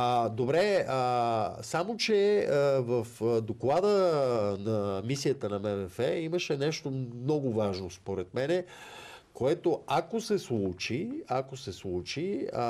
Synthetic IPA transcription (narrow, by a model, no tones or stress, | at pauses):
d̪obɾɛəsamot͡ʃɛvəfd̪oklˠad̪ənɐmisijət̪ənɐmɛmɛfɛiməʃɛnɛʃt̪onɔɡʊvaʒnospoɾɛt̪̚mɛnɛ | koɛt̪oakosɛslˠut͡ʃiakosɛslˠut͡ʃi